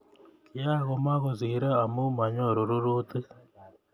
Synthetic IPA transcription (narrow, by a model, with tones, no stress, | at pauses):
kija˦ɣo˦ma˦ɣo˨ziɾa˦a˨mu˦ma˨ɲo˦˨ɾo˨ɾu˦ɾu˦t̪i˦